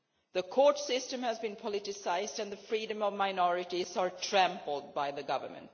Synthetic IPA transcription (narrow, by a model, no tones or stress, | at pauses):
ðəkʰoːʈsɪstə̃mhæzbĩnpʰɔlɪʈɪsaɪzdæ̃nðəfɹiːdə̃mɔvmaɪnɔɹɪʈizəɹʈʰɹæ̃mpl̩ˠd̚baɪðəɡʌvə̰˞mə̰̃nt